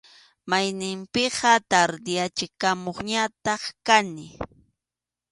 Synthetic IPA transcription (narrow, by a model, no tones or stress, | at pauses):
majnɪmpɪɢɑt̪aɾd̪ɪjat͡ʃɪkamoχɲat̪ɑχkanɪ